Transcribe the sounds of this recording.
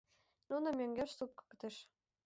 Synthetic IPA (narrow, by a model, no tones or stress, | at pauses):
nunɤ̆mʲøŋɡʲeʃsup̚kɤ̥̆kɤ̆t̪ĕʃ